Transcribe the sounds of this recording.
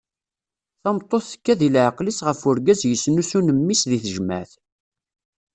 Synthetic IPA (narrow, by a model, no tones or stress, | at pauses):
θɑmt̪ˤːoθːə̥kːæðilʕəqlisʁəfʊɾɡæzjəsːnusunəmːisðiθəʒmæ̰θ